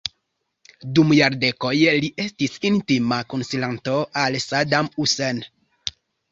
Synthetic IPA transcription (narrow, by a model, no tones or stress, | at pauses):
dumjaɾdekojliʔe̞stisintimakonsilantoʔalsadamusen